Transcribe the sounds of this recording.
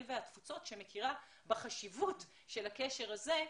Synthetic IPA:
vehatfut͡so̞tʃe̞me̞kʰiʁa | beχaʃivut | ʃelakeʃe̞ʁaze̞

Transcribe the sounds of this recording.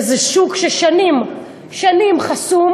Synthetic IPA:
zɛʃukʃeʃanim | ʃanimχasum

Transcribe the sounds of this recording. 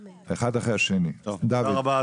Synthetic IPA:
eχadaχeaʃenit̪ovd̪aviba

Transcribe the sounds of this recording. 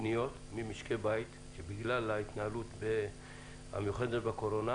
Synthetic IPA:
nijo̞t̪ | mimiʃkebajit̪ | ʃebiɡlalait̪naalut̪be | ha̰mejuχed̪et̪bako̞ɾo̞na

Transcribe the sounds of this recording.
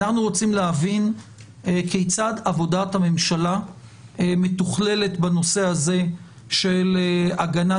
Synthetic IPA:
aχnuʁo̞t͡simleɦavin | ekejt͡sadavo̞dathame̞mʃala | emet̪uχle̞le̞tbano̞sehaze̞ | ʃe̞laɡana

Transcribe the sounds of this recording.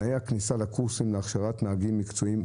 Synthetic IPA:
ajeaknisalekuʁsimleaχʃaʁat̪naaɡimːikt͡soim

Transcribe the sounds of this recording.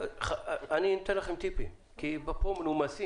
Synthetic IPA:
χaaninot̪enlaχemt̪ipi | kibapomnumasi

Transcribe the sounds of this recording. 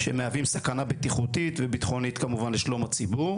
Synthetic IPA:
ʃḛmeavimsakanabet̪iχut̪it̪vebit̪χo̞nit̪kamuvanleʃlo̞mat͡sibuʁ

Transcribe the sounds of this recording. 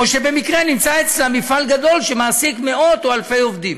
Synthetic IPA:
oʃe̞be̞mikʁenimt͡saet͡slamːifalɡad̪o̞lʃemaːsikme̞o̞t̪oalfe̞jo̞vd̪im

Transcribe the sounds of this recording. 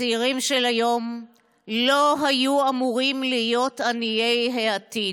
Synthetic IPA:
iʁimʃelajo̞m | lo̞ɦajuamuʁimlijo̞tanijejɦeat̪i

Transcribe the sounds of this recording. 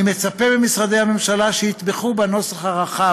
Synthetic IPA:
imet͡sapebemisʁad̪ejhame̞mʃalaʃehit̪beχubano̞selhaʁaχa

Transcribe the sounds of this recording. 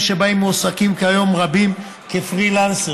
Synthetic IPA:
ʃebaimosakimkeajo̞mʁabim | kefʁilanse

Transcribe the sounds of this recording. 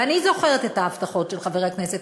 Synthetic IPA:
anizo̞χeʁetet̪aːft̪aχo̞tʃelχaveeakneset

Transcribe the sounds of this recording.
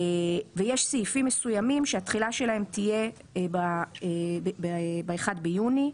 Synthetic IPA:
vejeʃsiifimːesujamimʃeat̪χilaʃe̞laɦe̞mt̪ije̞ | baebbebaeχad̪bejuni

